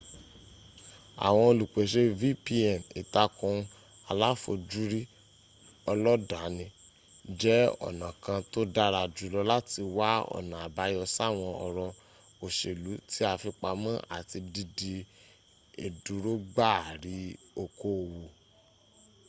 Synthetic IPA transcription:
a̰˨w̃ɔ̃˧o˧lu˨k͡pe˨ʃe˦vi˦pi˦ɛ˨nḭ˨ta˧kũ˧ | a˧la˦fo˧d͡ʒu˦ɾi˦ | ɔ˧lɔ˦da˨˦nĩ˧ | d͡ʒɛ˦ɔ̰˨nã˨kã˧to˦da˦ɾa˧d͡ʒu˨˦lɔ˧la˦ti˧wa˦ɔ̰˦˨nã˨a˨ba˨˦jɔ˧sa˦˨w̃ɔ̃˧ɔ̰˨ɾɔ̃˧ | o˨ʃe˨lu˨˦ti˦a˧fi˧k͡pa˧mã˦ʔa̰˨ti˧di˧di˧ | e˨du˨˦ɾo˦ɡ͡ba˦˨ɾi˨˦o˧ko˦˨wo˨

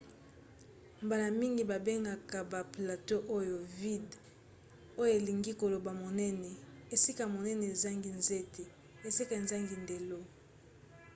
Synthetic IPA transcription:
mba˨la˨mi˦ŋɡi˨ba˨be˦ŋɡa˨ka˨ba˨pla˨to˦ʔo˦jo˨vi˦d | o˦jo˦e˨li˨ŋɡi˦ko˨lo˨ba˨mo˨nɛ˦nɛ˨e˨si˦ka˨mo˨nɛ˦ne˨za˦ŋɡi˨nze˦tʰe˨ | e˨si˦ka˨e˨nza˦ŋɡi˨nde˨lo˦

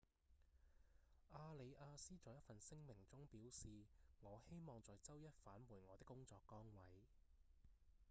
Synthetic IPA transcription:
ʔaː˧le˨˧jʔaː˧siː˥t͡sɔː˨˧jɐ˥tfɐ˨nsɪ˥ŋmɪ˨˩ŋt͡sʊ˥ŋpiː˨˥wsiː˨ŋɔː˨˧he˥jmɔː˨˧ŋt͡sɔː˨˧jt͡sɐ˥wjɐ˥t̚faː˨˥nmuː˨˩ŋɔː˨˧t̪ɪ˥kːʊ˥ŋt͡sɔː˧kːɔː˥ŋwɐ˨˥j

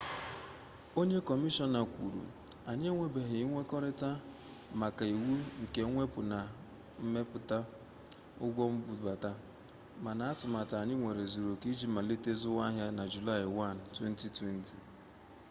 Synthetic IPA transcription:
o˦ɲe˦kɔ˨mi˦ʃɔ˦na˨kʷṵ˨ɾṵ˨ | a˨ɲ˦e˦ŋʷe˨be˨ɦɪ˨˦ŋʷe˦kɔ˦ɾɪ˦ta˦ | ma˨ka˨i˨wu˦ŋ̩˨ke˨˦ŋʷe˦pʊ˨na˨ | m̩˦me˦pʊ˨ta˦ | ʊ̰˦ɡʷɔ˦m̩˦bu˨ba˨ta˦ | ma˨na˨a˦tʊ˨ma˨ta˨a˨ɲɪ˦ŋʷe˨ɾe˨zu˨ɾo˨ki˦d͡ʒi˦ma˨li˦te˦zʊ˦wa˦ɦja˦na˨d͡ʒu˨la˦˨ɪ˨wa˦˨n˨twe˦n˦ti˨twe˦n˦tḭ˨

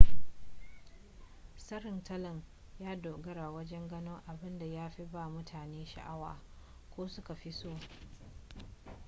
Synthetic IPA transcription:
sɐ˦ɾɪ˨ntɐ˦lɐ˨n | jaː˦doː˨ɡɐ˦ɾa˨wɐ˦d͡ʒɛ˦ŋɡɐ˦noː˦ŋʔa˨bɪ˦nda˨jaː˦ɸi˦baː˦˨mʊ˦tʰaː˨neː˦ʃa̰˨ʔa˦wa̰ː˨ | kʷoː˦sʊ˦ka˨ɸi˦soː˦˨

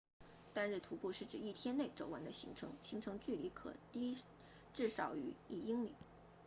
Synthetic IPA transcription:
t̪a˥nɻɻ̩˥˩t̪ʰu˧˥pu˥˧ʂɻ̩˥˩ʈ͡ʂɻ̩˨˩i˥˩t̪ʰjɛ˥nne˥˩ɪʈ͡ʂo˨˩ʊwa˧˥nd̪ə˧ɕḭ˧˥ŋʈ͡ʂʰɤ̰˧˥ŋɕi˧˥ŋʈ͡ʂʰɤ˧˥ŋt͡ɕy˥˩li˧˥kʰɤ̰˨˩t̪i˥ | ʈ͡ʂɻ̩˥˩ʂɑ˨˩ʊy˧˥i˥˩i˥ŋlḭ˨˩˦

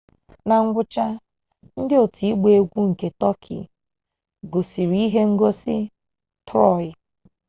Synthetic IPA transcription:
na˨ŋ̩˦ɡʷʊ˦t͡ʃa˦ | n̩˦dɪ˦o˨tʰi˨i˦ɡ͡be˦ɡʷu˦ŋ̩˨ke˨tɔ˦kʰɪ̰˨ | ɡo˨si˨ɾi˦i˦ɦe˦ŋ̩˦ɡo˦sɪ̰˦ | tʰʊ˦ɔ˨ɪ˦

